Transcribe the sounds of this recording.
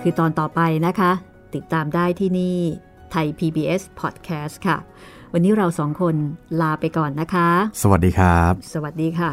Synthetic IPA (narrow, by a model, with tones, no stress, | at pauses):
kʰɯː˧t̪ɔː˧nt̪ɔː˨˩pa˧jna˦˥kʰa˦˥ | t̪i˨˩t̪ːaː˧mdaː˥˩jt̪ʰiː˥˩niː˥˩ | t̪ʰa˧jpʰiː˧biː˧ʔe˦˥spʰɔː˨˩t̪̚kʰɛː˦˥st̪̚kʰa˥˩ | wa˧nːiː˦˥ɾa˧wsɔː˩˦ŋkʰo˧nlaː˧pa˧jkɔː˨˩nːa˦˥kʰa˦˥sə˧wa˨˩t̚diː˧kʰɾa˦˥p̚sə˧˩wa˨˩diː˧kʰa˥˩